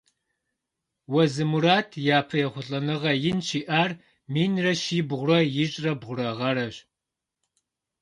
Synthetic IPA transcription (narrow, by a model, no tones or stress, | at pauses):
wɐzɨmuɾaːtʰjaːpʰɐjɛχʷʊɬʼɐnɨʁɐjɪnʃiːʔaːr | miːnrɐʃiːbʁʷʊrɐjɪɕʼrɐbʁʷʊrɐʁɐɾɐɕ